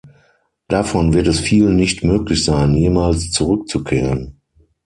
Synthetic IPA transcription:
d̥afɔnvɪɐtɛsfiːlənːɪçtmøːklɪçz̥aɪnjeːmaːlst͡suʁʏk̚t͡sukʰeːʁən

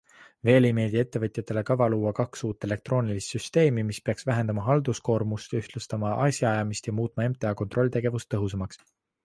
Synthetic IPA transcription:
ve̞ːlejme̞ːd̪ie̞t̪ːe̞vɤt̪ʲjɑt̪ːˑe̞le̞kɑvɑluːɑkɑksuːt̪ːˑe̞le̞k̚t̪ro̞ːnʲilist̪syst̪e̞ːmimispeɑksvæɦe̞nd̪ɑmɑɦɑld̪̥usko̞ːrmust̪yht̪lust̪ɑmɑʔɑsʲjɑɑjɑmist̪jɑmuːt̪ːˑmɑe̞mt̪ˑejɑko̞nt̪ˑro̞lʲːit̪e̞ɡ̥e̞vust̪ːɤɦus̬ɑmɑks

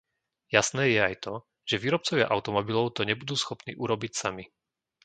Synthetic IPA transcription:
jasnɛːjɛajt̪ɔ | ʒ̥ɛʋiːɾɔp̚t͡sɔʋɪa̰ʔaʊt̪ɔmɔbilɔʊt̪ɔɲɛbud̪uːsxɔpnḭːʔuɾɔbicsami

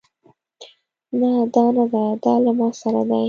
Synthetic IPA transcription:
nad̪ɑnad̪ad̪ɑlamɑsaɾad̪a

